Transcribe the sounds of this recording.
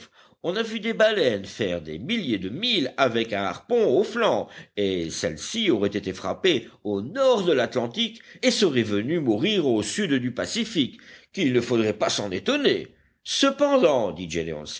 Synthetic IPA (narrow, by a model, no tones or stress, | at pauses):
f | ɔ̃navyd̪ebalɛnfɛʁd̪ḛmiljed̪əmilavɛkɛ̃a̰ʁpɔ̃oflɑ̃esɛ̰lsiɔʁɛt̪et̪efχa̰peonɔʁd̪əlat̪lɑ̃t̪ikesəʁɛvənymuʁiʁosyd̪d̪ypasifikːilnəfod̪ʁɛpasɑ̃net̪ɔne | səpɑ̃d̪ɑ̃d̪id͡ʒelḛɔ̰̃ns